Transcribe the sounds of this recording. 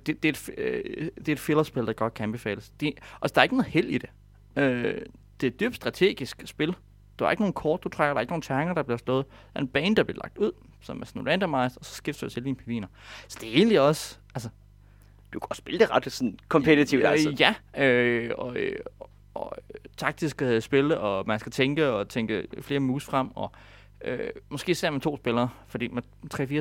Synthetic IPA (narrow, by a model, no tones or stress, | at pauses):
d̥e̝d̥eed̥f | d̥e̝ɐed̥fe̝lɐsb̥e̝ld̥ɑ̈ɡ̥ɒ̽d̥̚kʰæænb̥e̝fɛ̰ːləsd̥e̝ʔælsəd̥ɑ̈ɐe̝ɡ̥nɔ̽ð̩ˠhel̰id̥e̝ | ø | d̥e̝æd̥y̰ːb̥̚d̥sd̥ʁɑ̈t͡sʰe̝̰ːɡ̥isɡ̥sb̥e̝l | d̥ɑæɐe̝ɡ̥no̝ːn̩kʰɒːd̥̚ut͡sʰʁaɡ̥ɐɾ̥ɑ̈e̝ɡ̥no̝ːn̩t͡sʰæʁŋɐɾ̥ɑ̈b̥liɐslɔ̽ːð̞̩ˠd̥ɑɐe̝nb̥ɛ̰ːnd̥ɑ̈b̥liɐlɑ̈ɡ̥̚d̥uð̞̰ˠ | sɒ̽mæɐsɔnlænd̥ɐmɑ̈ɪsd̥ɐɒsɒ̥̽sɡ̥efd̥sø̰ɐ̰t͡sʰeld̥iːnpʰeʋḭːnɐsɒ̽d̥e̝æe̝ːnliɒ̽s | ælsə | d̥ukʰɒ̥sb̥eld̥eʁɑd̥sɔnkʰɒ̽mpʰet͡sʰit͡sʰiʊdjæøɒ̽ø | ɒt͡sʰɑ̈ɡ̥̚d̥isɡ̥sb̥e̝ləʔɒ̽mænsɡ̥æt͡sʰeŋɡ̥əɒ̽t͡sʰeŋɡ̥əfle̝ːɐmuːsfʁɑm̰ɒ̽ | ø̰mɒsɡ̥e̝̰ːse̝ɐ̰met͡sʰo̝̰ːsb̥e̝lɐːfɒd̥ḭːmæn | t͡sʰʁɛ̰fiɐ